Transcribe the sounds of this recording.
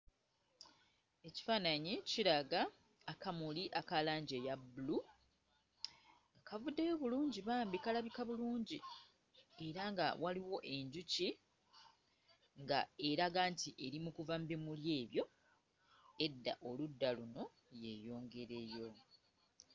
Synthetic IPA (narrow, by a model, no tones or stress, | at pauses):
e̞ci̥faːnaɲiciɾaɡaː | kamuliʔakalaːɲɟejabulu | akavudːejoβuluːɲɟiβaːmbikalaβikaβuluːɲɟi | e̞ɾaŋɡa̰wʔaliwo̞ʔe̞ɲɟuci | ŋɡae̞ɾaɡaːntiʔe̞ɾimukuvambimulje̞ːβjo̞ | e̞dːa̰ʔo̞ludːaluno̞ | je̞jo̞ːŋɡe̞ɾejo̞